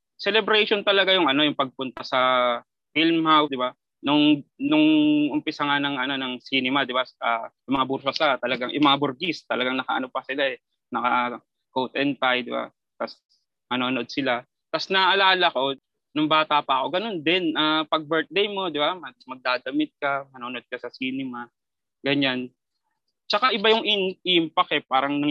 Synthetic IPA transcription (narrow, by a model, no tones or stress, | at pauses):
sɛlɛbɾɛʃont̪ɐlɐɡajʊŋʔɐno̞jʊŋpɐɡ̚pʊnt̪asɐ | filmhawd̪ɪba | nʊŋnʊŋʔʊmpɪsaŋanɐŋʔɐno̞nɐŋsinɛmɐd̪ɪbaʔaːjʊŋmɐŋabuɾsosat̪ɐlɐɡaŋjʔʊ̰ŋmɐŋabʊɾɡist̪ɐlɐɡaŋnɐkɐʔɐ̰no̞pɐsɪlaʔɛ | nɐkɐ | kowt̪ʔɛnt̪ajd̪ɪba̰ | t̪as | mɐnoːno̞d̪̚sɪla | t̪asnɐʔɐlaːlɐko̞ | nʊŋbaːt̪apɐʔɐko̞ɡɐno̞nd̪ɛnʔapɐɡ̚bɛɹt̪̚d̪ɛjmo̞d̪ɪbamɐmɐɡ̚d̪aːd̪ɐmɪt̪̚kɐmɐnoːnod̪̚kɐsɐsiːnɪma | ɡɐɲan | t͡ʃɐkaʔɪbajʊŋʔɪnɪmpɐkɛpaːɾɐŋnɐŋ